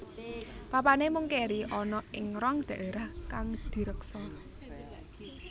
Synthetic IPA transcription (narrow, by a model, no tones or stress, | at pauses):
papanemʊŋkeɾiʔɔnɔɪŋɾɔŋd̪̥a̤ʔeɾahkaŋd̪̥i̤ɾəksɔr